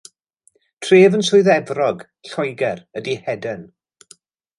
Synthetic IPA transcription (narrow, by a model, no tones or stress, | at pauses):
tʰreːvənsʊɨðɛvrɔɡ | ɬɔjɡɛrədihɛdən